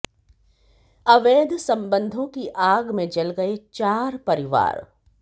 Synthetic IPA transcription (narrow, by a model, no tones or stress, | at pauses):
ɐʋeːd̪ʱsɐ̃mbə̃nd̪ʱõkiʔaːɡmẽd͡ʒɐlɡɐet͡ʃaːɾpɐɾɪʋa̰ːɾ